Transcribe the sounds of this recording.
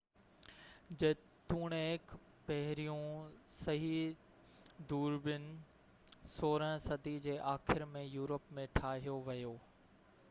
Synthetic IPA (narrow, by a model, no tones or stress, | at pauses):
d͡ʑɐ | t̪uːɽ̃eːk | pɐɦɪɾijũsɐɦi | d̪uːɾbɪnɪ̆ | soːɾə̃sɐd̪ʱid͡ʑeːʔaːxʰɪɾmẽjuːɾəpmẽʈʰaːɦijoʋɐjoː